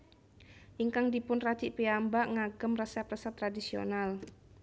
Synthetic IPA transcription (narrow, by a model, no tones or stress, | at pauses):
ʔiŋkaŋdipʊnrad̪̥iʔpiambaʔŋaɡ̥əmrəsɛp̚rəsɛp̚t̪ːɾadisio̰nal